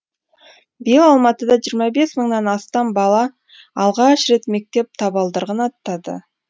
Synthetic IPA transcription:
bijlɑlˠmɑt̪əd̪ɑʒijɾmɑbe̞sməɴnɑnɑst̪ɑmbɑlˠɑː | lˠʁɑʃɾe̞t̪me̞k̚t̪e̞p̚t̪ʰɑbɑlˠd̪əɾʁənɑt̪ːɑd̪ə̰

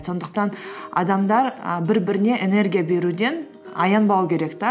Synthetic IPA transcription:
so̞nd̪əq̚t̪ɑnɑ̰d̪ɑmd̪ɑɾəbɪɾbɪɾɪne̞ʔene̞rɡʲijabe̞ɾud̪e̞n | ɑ̰jɑnbɑlˠukʲʰe̞ɾe̞kt̪ɑ

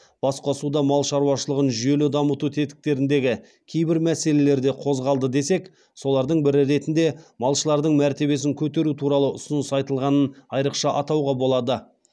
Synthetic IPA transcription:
b̥ɑsqosud̪ɑmɑlˠʃɑɾuwɑʃəlˠəʁənʒʏje̞lɪd̪ɑmət̪ut̪ʰet̪ɪ̥k̚t̪e̞ɾɪnd̪e̞ɡʲɪ | kʲʰe̞jbɪɾmæse̞le̞le̞ɾd̪e̞qʰo̞zʁɑlˠd̪əd̪e̞se̞k | so̞lˠɑɾd̪əɴbɪɾɪɾe̞t̪ɪnd̪e̞mɑlˠʃəlˠɑɾd̪əɴmæɾt̪e̞βe̞s̬ɪŋkʲʰɵt̪e̞ɾut̪ʰuɾɑlˠəʔʊsənəsɑjt̪əlˠʁɑnənɑjɾəqʃɑʔɑt̪ɑwʁɑbo̞lˠɑd̪ə

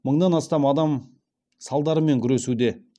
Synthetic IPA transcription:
məɴd̪ɑnɑst̪ɑmɑd̪ɑm | sɑlˠd̪ɑɾəme̞ŋkʲʰʏɾe̞sud̪e̞

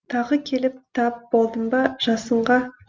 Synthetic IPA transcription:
t̪ʰɑʁəkʲʰe̞lɪp̚t̪ʰɑp̚b̥o̞lˠd̪əmbɑʒ̥ɑsəɴʁɑ

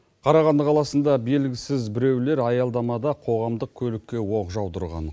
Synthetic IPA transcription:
qʰɑɾɑʁɑnd̪əqʰɑlˠɑsənd̪ɑbe̞lɡʲɪsɪzbɪɾe̞wle̞ɾɑjɑlˠd̪ɑmɑd̪ɑqʰo̞ʁɑmd̪əq̚kʲʰɵlɪkʲːe̞wo̞qʒɑwt̪əɾʁɑ̰n

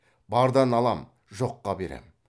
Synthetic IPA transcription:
bɑɾd̪ɑnɑlˠɑm | ʒo̞qːɑbe̞ɾḛm

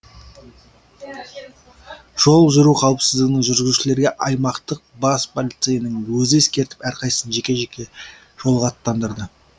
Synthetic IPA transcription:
ʒ̥o̞lˠʒʊɾuqʰɑw̪ˠəpsɪzd̪ɪɡʲɪnɪŋʒʏɾɡʲɪzuʃɪle̞ɾɡʲe̞ʔɑjmɑqt̪əq̚bɑspʰolʲit̪sɨjənəŋwɵzɪeskʲe̞ɾt̪ɪ̥pæɾqʰɑjsənʒe̞kʲeʒkʲe | ʒ̥o̞lˠʁɑt̪ːɑnd̪əɾd̪ə

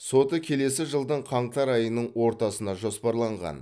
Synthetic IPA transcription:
so̞t̪əkʲʰe̞le̞sɪʒəlˠd̪əɴqʰɑɴt̪ɑɾɑjənəɴwo̞ɾt̪ɑsənɑʒo̞spɑɾlˠɑɴʁɑ̰n

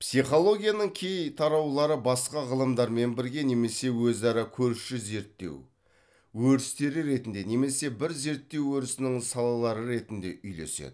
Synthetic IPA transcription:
psijχo̞lˠo̞ɡʲijanəŋkʲʰe̞jt̪ʰɑɾɑwlˠɑɾəbɑsqɑʁəlˠəmd̪ɑɾme̞nbɪɾɡʲe̞ne̞me̞se̞wɵzɑɾɑkʲʰɵɾʃɪze̞ɾt̪ːe̞̰w | wɵɾɪst̪e̞ɾɪɾe̞t̪ɪnd̪e̞ne̞me̞se̞bɪɾze̞ɾt̪ːe̞wɵɾɪsɪnɪŋsɑlˠɑlˠɑɾəɾe̞t̪ɪnd̪e̞̰ʔʏjle̞̰sḛd̪ɪ

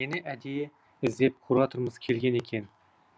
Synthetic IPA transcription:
enɪʔæd̪ije | ɪzd̪ep̚qʰʊɾɑt̪ʰɨɾmɨzkʲʰelɡʲenekʲʰen

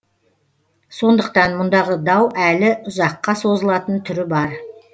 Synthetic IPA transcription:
so̞nd̪əq̚t̪ɑnmʊnd̪ɑʁəd̪ɑwʔælɪʊzɑqːɑso̞zəlˠɑt̪ənt̪ʰʏɾɪbɑɾ

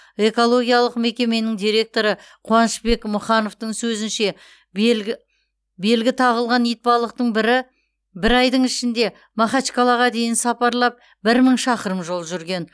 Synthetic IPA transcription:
e̞ko̞lˠo̞ɡʲijɑlˠəqme̞kʲe̞me̞nɪŋd̪ijɾe̞k̚t̪o̞ɾə | qʰuɑnəʃbe̞kmʊχɑno̞ft̪əɴsɵzɪnʃe̞ | bɪ | be̞lɡʲɪt̪ʰɑʁəlˠʁɑnijt̪̚pɑlˠəq̚t̪əɴbɪɾɪ | bɪɾɑjd̪əɴɪʃɪnd̪e̞ | mɑχɑt͡ʃkolˠɑʁɑd̪e̞jɪnsɑpɑɾlˠɑp̚ | bɪɾməɴʃɑqəɾəmʒo̞lˠʒʏɾɡʲe̞n

